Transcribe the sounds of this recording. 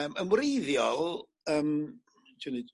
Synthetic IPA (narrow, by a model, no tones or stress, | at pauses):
əməmwrejðjɔlˠ | əːm | tʰəni